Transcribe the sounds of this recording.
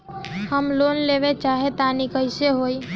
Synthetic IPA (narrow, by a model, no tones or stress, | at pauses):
həmloːnleːʋet͡ʃaːɦet̪anikəɪseɦoːi